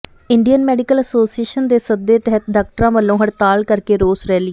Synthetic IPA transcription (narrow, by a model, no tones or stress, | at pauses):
ɪɳɖijənmɛːɖɪkələsoːsieːʃənd̪eːsəd̪ːeːt̪ɛɦət̪̚ɖaːk̚ʈəɾãːʋəlːõːɦəɽt̪aːlkəɾkeːɾoːsɾɛːlɪ